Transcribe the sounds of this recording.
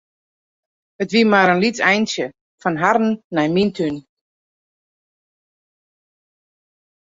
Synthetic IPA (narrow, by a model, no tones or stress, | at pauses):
ətʋimaɾənlitɛjnsjə | fɔnɦarn̩ːɛjmintʰyn